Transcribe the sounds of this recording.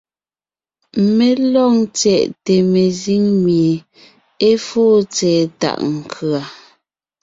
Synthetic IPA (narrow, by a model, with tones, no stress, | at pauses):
me˨lɔ˦˨ŋt͡sɛ˨ʔte˨me˨zi˦ŋmje˨ | e˦foː˦t͡sɛː˨ta̰˨ʔŋ̩˨kʰɰa˨